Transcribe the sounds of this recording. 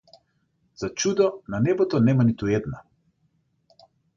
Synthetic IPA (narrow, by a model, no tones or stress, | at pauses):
z̥at͡ʃud̪ɔnanɛbɔt̪ɔnɛmanit̪uɛd̪na